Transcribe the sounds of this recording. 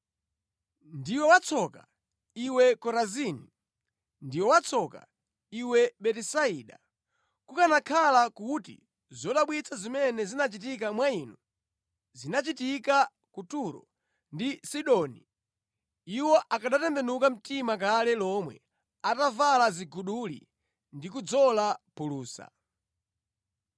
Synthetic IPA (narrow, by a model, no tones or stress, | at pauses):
ndiwɛwat͡sʰɔka | iwɛkɔɾazini | ndiwɛwat͡sʰɔka̰ | iwɛɓɛtisaiːɗa̰ | kukanakʰalakutḭ | zɔɗaɓwit͡sʰazimɛnɛzinat͡ʃit̬ik̬amwaiːnu | zinat͡ʃitika | kutuɾɔ̰ | ndisiɗɔni | iwɔʔakaɗatɛmbɛnukam̩timak̬alɛlɔmwɛ̰ | atavalaziɡuɗulḭ | ndikud͡zɔlapuluːsa̰